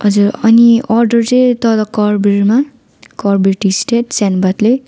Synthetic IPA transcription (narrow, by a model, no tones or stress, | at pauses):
ɦʌd͡zuɾʌniʌrɖʌrt͡sejt̪ʌlʌkʌrbiɾma | kʌrbirʈisʈeʈsanbat̪le